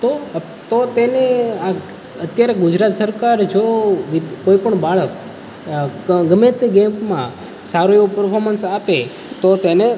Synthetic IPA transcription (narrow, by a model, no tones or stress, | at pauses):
t̪o | t̪ot̪enea | ət̪jaɾeɡʊd͡ʒɾat̪səɾkaɾd͡ʒoʋikoipəɳbaɭək | ɡəmet̪ɡempmã | saɾueʋupəɾpʰoɾmənsape | t̪ot̪ene